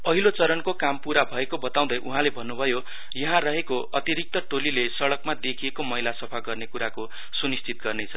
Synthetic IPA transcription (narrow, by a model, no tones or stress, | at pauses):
ʌɦilot͡sʌɾʌnkokampuɾabʱʌekobʌt̪aw̃d̪ʌjʔuɦãlebʱʌnːubʱʌjo | jʌɦãrʌɦekoʔʌt̪iɾik̚t̪ʌʈolilesʌɽʌkmad̪ekʰiekomʌɦilasʌpʰaɡʌrnekuɾako | sunist͡sit̪̚ɡʌrnet͡sʰʌ